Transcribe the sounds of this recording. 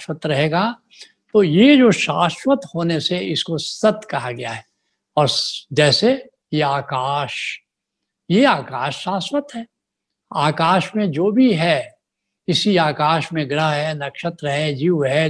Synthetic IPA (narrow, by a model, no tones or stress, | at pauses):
ʃwət̪ɾɐɦeːɡa | t̪oːjed͡ʒoːʃaːswət̪hoːneseɪskosɐt̪kɐɦaɡɐja̰ɦɛː | ɔːɾd͡ʒɛːse | jeaːkaːʃ | jeaːkaːʃːaːswət̪ɦɛː | aːkaːʃmẽd͡ʒoːbʱiɦɛ | ɪsiaːkaːʃmẽɡɾəɦɦɛnɐkʃət̪ɾɦɛd͡ʒiːʋɦɛ